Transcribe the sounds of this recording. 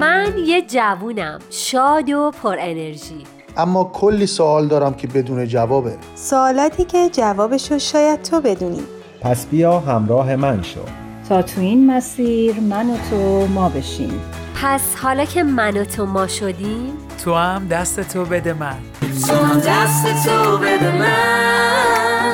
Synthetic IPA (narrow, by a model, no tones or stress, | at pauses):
mænjed͡ʒævuːnæmʃɒːd̪opʰoɾene̞ɾʒiː | ʔæmːɒːkʰolːiːsoɒːld̪ɒːɾæmcʰebe̞d̪uːned͡ʒævɒːbe | soːlɒːt̪ʰiːcʰe̞d͡ʒævɒːbeʃoʃɒːjæd̪̚t̪ʰobe̞d̪uːnḭd̪̥ | pʰæsb̥ijɒːɦæmɾɒːɦe̞mænʃo̰d̪ | t̪ʰɒːt̪ʰuinmæsiːɾmænot̪ʰomɒːbe̞ʃḭːm | pʰæshɒːlɒːcʰe̞mænot̪ʰomɒːʃo̞d̪im | t̪ʰohæmd̪æst̪et̪ʰobed̪emæn | d̪æst̪et̪ʰobed̪emæ